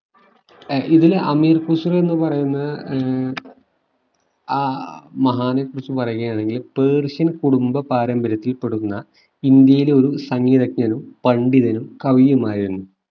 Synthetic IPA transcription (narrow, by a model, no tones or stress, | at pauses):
iðilɐmiːrkusure̞nːɨpɐrɐjunːɐð | aːmɐɦaːnekːurit͡ɕːɨpɐrɐjuɣejaːɳe̞ŋɡilpeːrɕɐnkuɽumbɐpaːɾɐmbɐɾɐt̪ːilpe̞ɽuunːɐ | ind̪jɐjileo̞ɾusɐŋːiːðɐkɲɐnumpɐɳɖiðɐnumkɐʋijumaːjiɾunːu